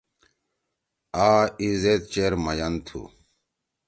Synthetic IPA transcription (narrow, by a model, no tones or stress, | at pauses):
aːizet̪̚t͡ɕeɾmɐjɐnt̪ʰṵ